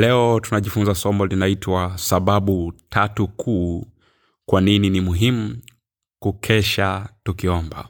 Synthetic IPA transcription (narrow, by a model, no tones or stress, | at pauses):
lɛɔtunaʄifunzasɔmbɔlinaitʰwasaɓaɓutʰatukʰuː | kwanininimuɦimu | kukʰɛʃatukiɔmba̰